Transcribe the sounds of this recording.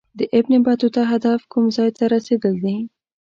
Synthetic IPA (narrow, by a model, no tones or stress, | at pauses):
d̪əʔɪbnɪbɑt̪ot̪aɦad̪afkumzɑjt̪aɾased̪əld̪i